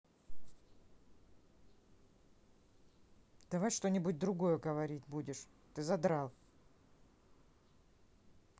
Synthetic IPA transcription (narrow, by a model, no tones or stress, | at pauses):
d̪̥ɐvajʂt̪o̞nʲɪbʊt̚ʲd̪ɾʊɡo̞jəɡəvɐɾʲitʲbudʲɪʂ | t̪ɨzɐd̪ɾalˠ